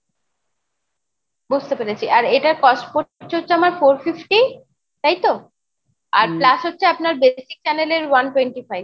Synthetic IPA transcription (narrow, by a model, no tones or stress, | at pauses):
bud͡ʑʱt̪epeɾet͡ɕʰiʔaɾeʈaɾkɔsʈpoɾɾt͡ɕʰeotːɕʰeamaɾfoɾfifʈi | t̪ajt̪o | a̰ɾplaʃɦotːɕʰeapnaɾbesi̥k̚t͡ɕaneleɾwanʈweɳʈifajb̚